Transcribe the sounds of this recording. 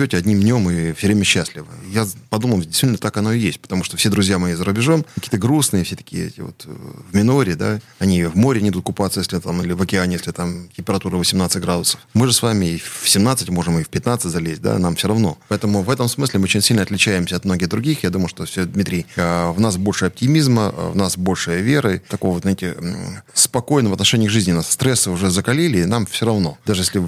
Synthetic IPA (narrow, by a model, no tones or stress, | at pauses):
otʲɪɐdʲnʲimnʲo̞mɨfsʲovɾʲemʲəɕːasʲlʲɪvə̰japɐd̪uməlˠdʲɪst̪vit̪ʲnət̪akɐno̞ɪjḛsʲt̚ʲpə̥t̪ɐmuʂt̪ofsʲed̪ɾʊzʲjamɐjizəɾʊbʲɪʐo̞mkɐkʲiːt̪əɡɾusnɨjəfsʲet̪ə̥kʲɪ̰ɛ̰tʲɪ̰vo̰t̪vmʲɪno̞ɾʲɪd̪a̰ɐnʲivmoɾʲɪnʲɪd̪ut̪̚kʊpat̪səjesʲlʲɪt̪amilʲɪvəkʲɪanʲɪjesʲlʲɪt̪amtʲɪmpʲɪɾɐt̪uɾɨvəsʲɪmnat̪sɨtʲɡɾad̪ʊsə̥fmɨʐɨsvamʲɪɪsʲɪmnat̪sɨtʲmo̞ʐɨmɨfʲpʲɪt̪nat̪sɨtʲzɐlʲezʲt̚ʲd̪a̰namfsʲoɾɐvno̞pɐɛt̪əmʊvɛt̪əmsmɨsʲlʲɪmɨot͡ɕɪnʲsʲilʲnɐt̪lʲɪt͡ɕæjɪmsʲəɐt̪̚mno̞ɡʲɪɣd̪ɾʊɡʲixjad̪uməjʊʂt̪ofsʲod̪mʲit̪ʲɾʲɪjəvnasbo̞lʲʂɨjɐp̚tʲɪmʲizmə̰vnasbo̞lʲʂɨjəvʲeɾət̪ɐkovəvznaɪtʲɪspɐko̞jnəmɐt̪nɐʂɛnʲɪjəɡʐɨzʲnʲɪnasːt̪ɾɛsːɨʊʐɛzəkɐlʲilʲɪnamfsʲoɾɐvno̞d̪aʐɨjesʲlʲɪ